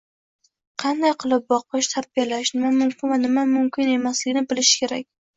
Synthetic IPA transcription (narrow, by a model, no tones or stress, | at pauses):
qʰɑnd̪ajqʰɨlˠɪp̚bɒqʰɨʃt̪ʰaɾbijalaʃnɪmamʊmkʲɪnvanɪmamʊmkʲʰɪne̞maslɪɡʲɪnɪbɪlɪʃɪ̥kʲʰe̞ɾakʲ